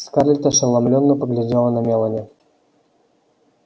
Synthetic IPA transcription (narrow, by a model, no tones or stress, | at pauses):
sʲkaɾʲlʲt̪əʂɨlˠamlʲonːəpəɡlʲɪdʲelˠənɐmʲelˠənʲɛ